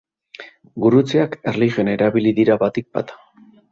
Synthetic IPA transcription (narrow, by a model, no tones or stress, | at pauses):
ɡuɾut͡seakerliʝjio̞naeɾaβiliðiɾaβat̪ik̚ba̰t̪ḁ